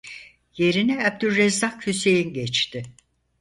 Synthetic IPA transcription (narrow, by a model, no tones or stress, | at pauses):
je̞ɾinɛab̚d̪ylːɛzakhyse̞jinɟɛt͡ʃt̪ɪ